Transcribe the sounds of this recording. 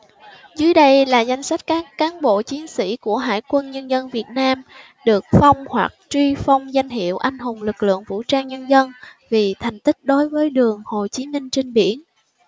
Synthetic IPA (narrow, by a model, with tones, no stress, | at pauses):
zɨː˨˦əjɗə˧jlaː˨˩za˧jŋ̟sa˦˥jk̟̚kaː˦˥kːaː˨˦nɓo̰˧˨t͡ɕi˨˦ənsḭ˧˥ku˧˩əɦa̰ː˧˨jkwə˧nɲə˧nzə˧nvi˨˩ət̚naː˧m | ɗɨ˨˩ək̚fa˧wŋ͡mhwa˨˩k̚t͡ɕwi˧fa˧wŋ͡mza˧jŋ̟ɦḭ˧˨əwʔa˧jŋ̟ɦʊ˨˩ŋ͡mlɨ˨˩k̚lɨ̰˧˨əŋvṵ˧˥t͡ɕaː˧ŋɲə˧nzə˧n | vi˨˩t̪ʰa˨˩jŋ̟t̪ï˦˥k̚ɗo˨˦jvəː˨˦jɗɨ˨˩əŋho˨˩t͡ɕi˨˦mï˧ŋ̟t͡ɕi˧ŋɓḭ˧˩ən